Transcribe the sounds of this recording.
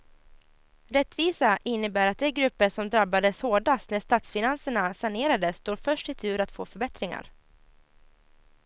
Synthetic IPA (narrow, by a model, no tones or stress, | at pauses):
ɾɛt̪ːviːsaʔɪnːəbæːɾat̪̚d̪ɛɡɾɵpːəʂɔmd̪ɾabːad̪əshoːɖast̪næʂt̪aːt̪sfɪnansəɳasaɳeːɾad̪əsːt̪oːɾfœʂʈɪt̪ʰʉ̟ːɾat̪foːfœɾbɛt̪ɾɪŋa̰ɾ